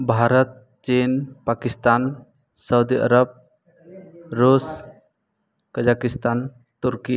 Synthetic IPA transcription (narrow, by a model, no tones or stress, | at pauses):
bʱaɾɔt̪̚ | t͡ʃinpakist̪an | səwd̪iʔə̰ɾəb̚ | ɾus | kəd͡ʒakist̪an | t̪uɾki